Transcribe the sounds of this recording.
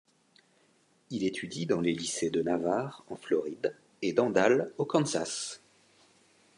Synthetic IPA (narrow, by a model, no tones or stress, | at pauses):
ilet̪ʰyd̪id̪ɑ̃lelised̪ənavaʁɑ̃flɔʁid̪ | ed̪ɑ̃d̪alokɑ̃nzas